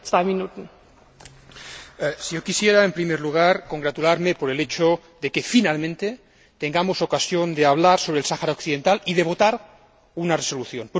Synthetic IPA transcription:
t͡sv̥aɪminutn̩ | sijokisjeɾaempɾimeɾluɣ̞aɾko̞ŋɡɾat̪ulaɾmepoɾelet͡ʃo | ðekefinalmẽnt̪e | t̪eŋɡamosokasjond̪eaβ̞laɾso̞β̞ɾelsaxaɾaokθiðent̪alið̞eβ̞o̞t̪aɾ | unareso̞luθjonp

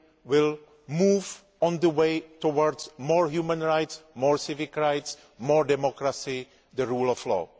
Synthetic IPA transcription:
wɪlˠ | muv | ɔ̃ndəweɪtowɔɹdzmɔɹhjumə̃nɹaɪtsmɔɹsɪvɪkɹaɪts | mɔɹdɛmɔkɹasi | ðəɹulɔflɔ̰

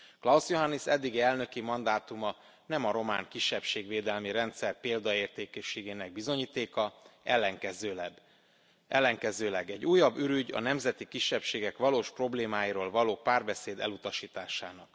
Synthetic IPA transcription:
klɒusjoɦanːisɛd̪ːiɡiɛlnø̞kimɒnd̪aːt̪umɒ | nɛmɒɾo̞ma̰ːŋkiʃːɛpʃeːɡʋeːd̪ɛlmiɾɛnt̪sɛrpeːld̪ɒeːrt̪eːkɛʃːeːɡeːnɛɡ̚bizo̞ɲiːt̪eːkɒɛlːɛŋkɛzøːb | ʔɛlːɛŋkɛzøːlɛɡɛɟːuːjɒbːyɾyɟɒ̰nɛmzɛt̪ikiʃːɛpʃeːɡɛkʋɒloːʃpro̞bleːmaːjiɾoːlvɒloːpaːrbɛseːd̪ɛ̰lut̪ɒʃiːt̪aːʃaːnɒk

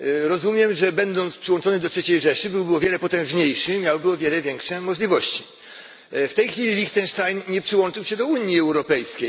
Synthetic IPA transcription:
ɾɔzumʲjɛmʐɛbɛnd̪ɔnt̪spʂɘwɔnt͡ʂɔnɘd̪ɔtʂɛt͡ɕejʐɛʂɘbɘwbɘwɔvjɛlɛpɔt̪ɛ̃w̃ʐɲejʂɘmʲjawbɘwɔvʲjɛlɛvʲjɛŋkʂɛmɔʐlʲivɔɕt͡ɕi | ft̪ɛjxfʲilʲilʲikt̪ɛnʂt̪ajnɲɛpʂɘwɔnt͡ʂɨwɕɛd̪ɔuɲjiɛwɾɔpɛjskʲej

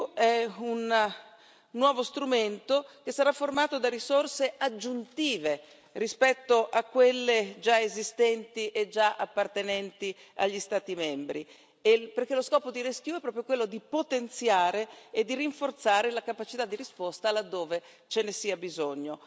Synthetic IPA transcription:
ɛunː | wɔːvost̪ɾument̪ok̟esːaɾafːormaːt̪od̪arisorsead͡ʒːunt̪iːve | rispɛt̪ːoʔakːwelːed͡ʒaezist̪ɛnt̪iʔed͡ʒaʔapːart̪enɛnt̪ia̰ʎːist̪aːt̪imɛmbɾi | eperkeloskɔːpod̪iɾesk̟juɛpːɾɔːpɾjokwelːod̪ipot̪ent̪sjaːɾeːd̪ːiriɱfort̪saːɾelakapat͡ʃit̪ad̪ːiɾispost̪alad̪ːoːve | t͡ʃenesiabizoɲːo

